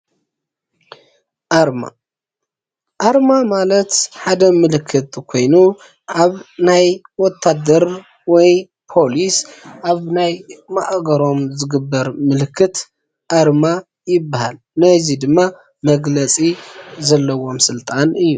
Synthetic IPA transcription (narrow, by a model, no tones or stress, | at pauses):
ʔaɾma̰ | ʔaɾmamalɐt̪ħad̪ɐmɨlɨkʰːɨt̪kʰo̞jnu | ʔaβnajwɔt̪ʰːad̪ɐɾ | wɔj | pʰo̞lisʔaβnajmaʔɡɐɾo̞mzɨɡɨbːɐɾmɨlkʰːɨt̪ | ʔaɾma | jɪbːaha̰l | nɐzid̪ɨmːa | mɐɡlɐt͡sʼizɐlːɐwo̞msɨlt̪ʼanɨjːu